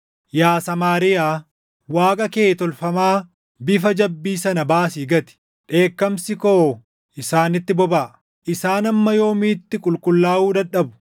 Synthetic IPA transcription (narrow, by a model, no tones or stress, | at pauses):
jaːsɐmaːɾɪjaː | waːkʼɐkeːt̪ɔlfɐmaː | bɪfɐd͡ʒɐbːiːsɐnɐbaːsiːɡɐt̪ɪ̥ | ᶑe̞ːkːɐmsɪkoː | ʔɪsaːnɪt̪ːɪbɔbaː | ʔɪsaːnɐmːɐjo̞ːmiːt̪ːɪkʼʊlkʼʊlːaːʔuːd̪ɐᶑɐbʊ̥